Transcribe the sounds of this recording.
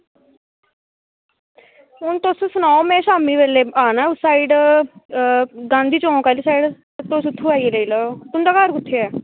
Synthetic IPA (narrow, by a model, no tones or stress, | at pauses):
ɦʊnt̪ossʊnaːomẽːʃaːmiːʋeːleːaːnaʊsaːiɖ | ɡãːnd̪iːt͡ʃõːkaːliːsaːiɖ | t̪osʊt̪ʰːũːaːieləiːləːt̪ʊnd̪aːkaːɾkʊt̪ʰːeɛː